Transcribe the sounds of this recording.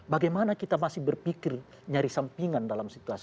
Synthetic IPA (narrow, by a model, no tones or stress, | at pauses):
baɡajmanakit̪amasɪhbərpikɪr | ɲaɾisampiŋandalamsit̪uas